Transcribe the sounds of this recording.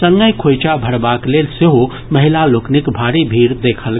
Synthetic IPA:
sə̃ŋɡəjkʰojt͡ʃabʱəɾbaklelseɦo | məɦilaloknikbʱaɾibʱiɾd̪ekʰəl

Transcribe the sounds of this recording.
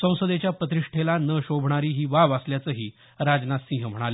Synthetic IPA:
sə̃w̃səd̪et͡ɕjapət̪̬ɾiʂʈʰelanəɕobʱɳ̃aɾiːɦiːʋaʋəsljat͡səːɦiː | ɾad͡znat̪sĩɦm̤əɽ̃ali

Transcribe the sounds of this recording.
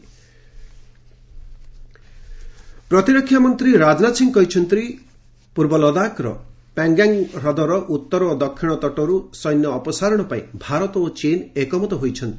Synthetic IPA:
pɾɔt̪iɾɔkʰːjamɔnt̪ɾiɾad͡ʒnasiŋkɔit͡ʃʰɔnt̪ɾi | puɾbɔlɔd̪akɾɔ̰ | peŋɡaŋɾɔd̪ɔɾɔʔut̪ːɔɾɔod̪ɔkʰːiɽ̃ɔt̪ɔʈɔɾusɔjnjɔːpɔsaɾɔɽ̃ɔpaĩbʱaɾɔt̪ɔot͡ʃenekɔmɔt̪ɔɦojt͡ʃʰɔnt̪i̥

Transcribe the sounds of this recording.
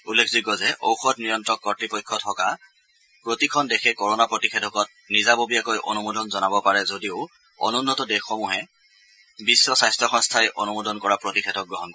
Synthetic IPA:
ulːekʰziɡɔzɛʔo̰wxɔtnijɔntɔkːɔtɹipɔjkʰːɔtʰɔka | pɹotikʰɔndɛxʰɛkɔɹɔnapɹotixʰedʱɔkɔt̚ | nizabobijakojʔo̰numodɔnzɔnabɔpaɹɛzodiʊ | o̰nunːɔtɔdɛxɔmuɦɛ | bisːɔsajstɹɔxɔŋstʰajʔonumodɔnkɔɹapɹotixʰɛdɔk̚ɡɹɔɦɔnkɔɛ

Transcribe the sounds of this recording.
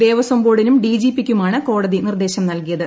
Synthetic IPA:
eːʋɐsɐmbo̞ːɽinumɖiːd͡ʑiːpːikʲːumaːɳɨko̞ːɽɐðinird̪e̞ːɕɐmnɐlkijɐðɨ

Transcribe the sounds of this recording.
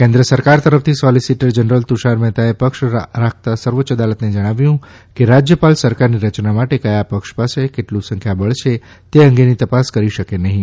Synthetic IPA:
kẽnd̪ɾəsəɾkaɾt̪əɾəft̪ʰisɔlisiʈəɾd͡ʒənɾəlt̪uʃaɾmɛt̪aepəkʃɾak̚ʰt̪asəɾʋotːʃəd̪alət̪ned͡ʒəɽ̃aʋjũ | keɾad͡ʒjəpalsəɾkaɾniɾət͡ʃnamaʈekəjapəkʃpasekeʈlũsə̃ŋkʰjabəɭt͡ʃʰe | t̪eə̃ŋɡenit̪əpaskəɾiʃəkenəɦĩ

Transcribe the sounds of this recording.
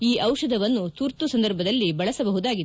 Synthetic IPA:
iːʔɐwʂɐd̪ʱɐʋɐnːut̪uɾt̪usɐnd̪ɐɾbʱɐd̪ɐlːibɐɭɐsɐbɐɦud̪aːɡi

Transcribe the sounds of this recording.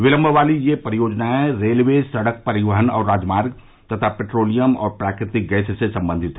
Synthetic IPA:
ʋɪlə̃mbʱəʋaːlijepəɾɪjoːd͡ʒnaɛ̃ɾeːlʋeːsɐɽək̚pɐɾɪʋəɦənɔːɾːaːd͡ʒmaːɾɡ | t̪ɐt̪ʰapeʈɾoːlijəmɔ̰ːɾpɾaːkɾɪt̪ɪk̚ɡɛːssesɐ̃mbə̃nd̪ʱɪt̪ɦɛ

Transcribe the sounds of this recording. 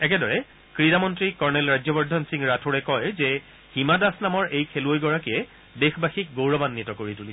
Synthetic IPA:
ɛk̬ɛdɔɹɛ | kɹidamɔntɹikɔɹnɛlɹajzɔbɔɹdʱɔnsiŋɹatʰoɹɛkɔjzɛ | himadasnamɔɹʔejkʰeluojɡɔɹakiɛ | dexbaxik̚ɡowɹɔbanːitɔkoɹituli

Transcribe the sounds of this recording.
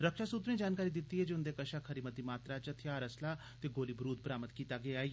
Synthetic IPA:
ɾəkʃaːsut̪ɾẽːd͡ʒaːnkaːɾiːd̪ɪt̪ːiɦɛːd͡ʒeʊnd̪eːkəʃaːkʰəɾiːmət̪̚d̪iːmaːt̪ɾat͡ʃət̪ʰjaːɾəslaː | t̪eːɡoːlibɾuːt̪̚pəɾaːmət̪kiːt̪aːɡeaːiː

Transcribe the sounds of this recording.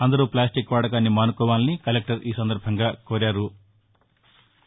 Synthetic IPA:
ɐnd̪ɐɾuplaːsʈikːʋɐːɽɐk̬aːnːimaːnukɔːʋaːlinikɐlek̚ʈɐɾiːsɐnd̪ɐɾbʱɐŋɡaːkoːɾaːɾu

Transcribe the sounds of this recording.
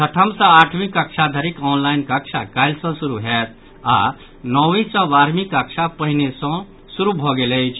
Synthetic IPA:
t̪ʰəʈʰəmsə̃aʈʰmĩkəkʃʰad̪ʱəɾikɔnlajnkəkʃʰakajlsɔ̃suɾuɦet̪̚ʰ | a̰ | nɔʋĩsɔ̃ʋaːɾmikəkʃʰapəɦinesɔ̃ | suɾubʱɔɡelejt͡ʃʰ

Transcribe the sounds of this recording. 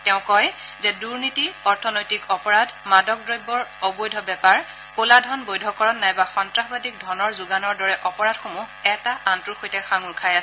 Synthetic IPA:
tɛʊ̃kɔjzɛduɹnitiɔɹtʰɔnojtikɔpɔɹadmadɔk̚dɹɔjbɔɹɔbojdʱɔbɛpaɹ | koladʱɔnbojdʱɔkɔɹɔnːajbaxɔntɹaxbadik̚dʱɔnɔɹzuɡanɔɹdɔɹɛʔɔpɔɹadxomuɛtaʔantɹuxojtɛxaŋuɹkʰajasɛ

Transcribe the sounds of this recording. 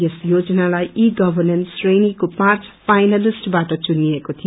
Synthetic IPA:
esjod͡zʌnalajʔiɡʌbʱʌrnensrenikopãrt͡sʰpʰajnalisʈbaʈʌt͡sunːiekot̪ʰi

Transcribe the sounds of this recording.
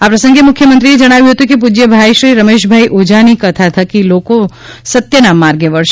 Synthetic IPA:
apɾəsə̃ŋɡemʊkʰːjəmə̃nt̪ɾied͡ʒəɽ̃aʋjũɦət̪ũkep̬ud͡ʒjəbʱajʃɾiɾəmeʃbʱaiʔod͡ʒanikət̪ʰat̪ʰəkiloko | sət̪jənamːaɾɡeʋəɭʃ

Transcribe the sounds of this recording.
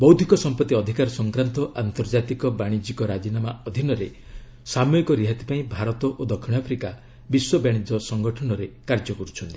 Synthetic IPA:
bɔwd̪ʱikɔsɔmpɔt̪ːiɔd̪ʱikaɾɔsɔŋkɾant̪ɔʔant̪ɔɾd͡ʒat̪ikɔbaɽ̃id͡ʒikɔɾad͡ʒinamaɔd̪ʱinɔɾe | samoikɔɾiɦat̪i̥paĩbʱaɾɔt̪ɔʔod̪ɔkʰiɽ̃apʰɾika | biswɔbaɽ̃id͡ʒ̪ɔsɔŋɡɔʈʰɔnɔɾekaɾd͡ʒɔkɔɾut͡ʃʰɔnt̪i̥

